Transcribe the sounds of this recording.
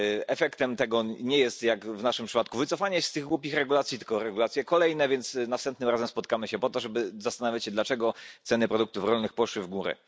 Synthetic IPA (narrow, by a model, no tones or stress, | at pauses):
ɛfɛkt̪ɛmt̪ɛɡɔɲɛjɛst̪jakvnaʂɘmpʂɘ̥pat̪kuvɘt̪sɔfaɲɛst̪ɘɣɡwupʲixɾɛɡulat̪sʲjit̪ɘ̥lkɔɾɛɡulat̪sʲjɛkɔlɛjnɛvʲjɛnt̪snafst̪ɛmt̪nɘmɾazɛmspɔt̪kamɘɕɛpɔt̪ɔʐɛbɘzast̪anavʲjat͡ɕɕɛd̪lat͡ʂɛɡɔt̪sɛnɘpɾɔd̪ukt̪ufɾɔlnɘxpɔʂwɘvɡuɾɛ̰